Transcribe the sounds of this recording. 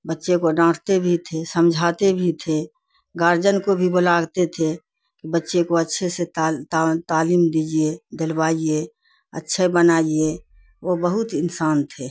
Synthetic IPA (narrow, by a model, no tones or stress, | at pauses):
bətːʃẽkoɖãːʈʰt̪ebʱit̪ʰesəmd͡ʒʱaːt̪ebʱit̪ʰe | ɡaɾd͡ʒənkobʱibolaːɡt̪et̪ʰe | kibətːʃekoətːʃʰeseat̪at̪aːliːmd̪iːd͡ʒied̪ɪlbaːie | ə̰tːʃʰebənaːie | ʋobəɦʊt̪ɪnsaːnt̪ʰe